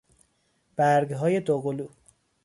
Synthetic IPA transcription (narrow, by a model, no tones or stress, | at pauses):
b̥æɾɡɦɒːjed̪oɣoluː